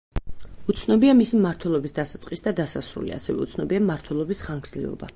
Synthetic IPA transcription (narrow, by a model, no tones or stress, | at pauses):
ut̪sʰnɔbiamisimaɾt̪ʰwɛlˠɔbisd̪asat̪sʼqʼisd̪ad̪asasɾṵlḭa̰sɛvɛ̰ut̪sʰnɔbiamaɾt̪ʰwɛlˠɔbisχaŋɡɾzliɔ̰ba̰